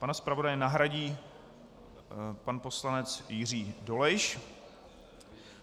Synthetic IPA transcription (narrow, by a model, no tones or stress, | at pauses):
panaspɾavo̞dajɛnaɦɾaɟiː | panposlanɛt͡sjɪr̝iːdo̞lɛʃ